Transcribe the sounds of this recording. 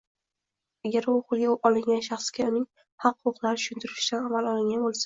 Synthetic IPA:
aɡʲaɾʊqʊlˠɡʲaɒlˠɪŋɡʲanʃɑχskʲaʊnɪŋ | hɑqːʊʊqlˠaɾɪt̪ʰʊʃʊnt̪ʰɪɾɪʃɪd̪anamalɒlˠɪŋɡʲanbolˠsḁ

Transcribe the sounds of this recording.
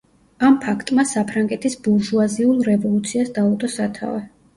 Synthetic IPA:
ampʰakʰt̪ʼmasapʰɾaŋɡɛt̪ʰisbuɾʒuaziulˠɾɛvɔlˠut̪sʰiasd̪aɔt̪ʼɔsat̪ʰa̰vɛ

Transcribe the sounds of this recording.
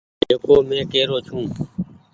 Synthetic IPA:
d͡ʒeːkoːmẽːkeːɾoːt͡ʃʰũː

